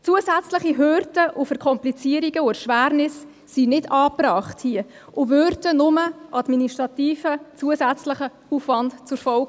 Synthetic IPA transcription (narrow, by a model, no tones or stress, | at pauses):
t͡suəzæt͡sləχiɦøɾdəʔʊfəɾkʰɔmplit͡siəɾiɡəʊəʃʋæːɾnɪsː | inɪdɑːpɾɑːχthiə | ʊʋøɾdənʊməʔɑdminiʃtɾɑtiːfət͡suəsæt͡sləχə | uːfvɑntt͡sʊɾfɔlɡ